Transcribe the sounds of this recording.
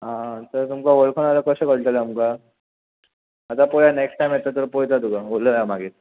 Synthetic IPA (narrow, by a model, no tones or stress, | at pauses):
ɦãt̪əɾt̪umkaʋəɭkʰənalakəɕekəɽʈ̪aleamka | t̪apojaneksʈʈajmjet̪ət̪̬əɾpojt͡sat̪uɡaoləjamaɡiːt̪